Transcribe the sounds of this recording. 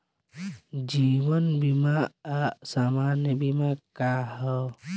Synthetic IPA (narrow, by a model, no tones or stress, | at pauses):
d͡ʒiβənbimaːsamanjəbimakahɔ